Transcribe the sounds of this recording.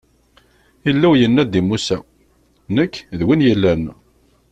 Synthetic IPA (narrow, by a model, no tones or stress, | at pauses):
əlːæwjənːæd̪imusæ | nəkːðwinjəlːæn